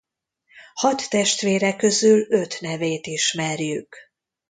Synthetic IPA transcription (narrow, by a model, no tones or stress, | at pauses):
hɒt̪ːɛʃt̪ʋeːɾɛkːø̞zylø̞t̪nɛveːt̪iʃmɛrjyk